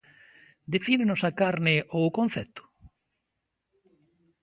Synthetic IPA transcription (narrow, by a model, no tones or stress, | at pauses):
d̪efinenʊsakaɾnɪʔokõnθɛt̪ʊ̥